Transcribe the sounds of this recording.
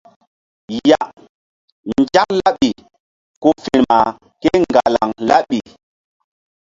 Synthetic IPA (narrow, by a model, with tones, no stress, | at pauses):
ja˨ | nd͡ʒa˦kla˦ɓi˨ | ko˦fi˨ɾma˨ | ke˦ŋŋɡa˨la̰˨ŋla˦ɓi˨